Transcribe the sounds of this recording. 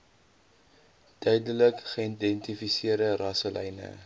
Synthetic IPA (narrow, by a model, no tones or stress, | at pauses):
d̥œɥdələkχəindɛntifisiərdərɐsəlʔɛ̰jnə̰